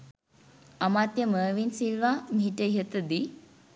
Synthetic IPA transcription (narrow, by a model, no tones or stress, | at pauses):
amat̪jəməːʋinsilʋamiɦiʈəiɦət̪əd̪i